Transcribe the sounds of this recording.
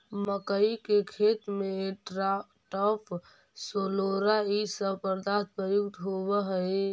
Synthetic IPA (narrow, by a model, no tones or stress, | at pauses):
məkəikekʰet̪mẽ | ʈɔpʰ | soloɾaisəbpəɾd̪at̪̚pɾəjuk̚t̪ɦobəɦə